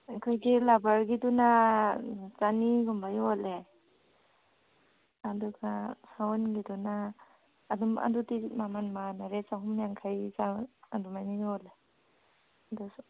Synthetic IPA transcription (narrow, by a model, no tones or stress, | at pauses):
akʰɔjɡilabaɾɡiduna | t͡ʃaniɡumbajɔle | aduɡasawɔnɡidunaː | duma̰dutimamanmanaɾet͡ʃaɦumjaŋkʰajt͡ʃaadumajnijle | adu